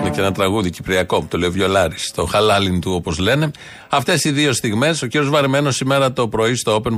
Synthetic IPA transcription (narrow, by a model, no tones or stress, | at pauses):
neceenɐt̪ɾɐɣuðicipɾiɐko̞t̪o̞le̞ovʝo̞lɐɾist̪o̞xɐlɐlint̪uo̞po̞zle̞ne̞ | ɐft̪e̞siðio̞st̪iɣme̞so̞ciɾio̞zvɐɾme̞no̞sime̞ɾɐt̪o̞pɾo̞ist̪oope̞n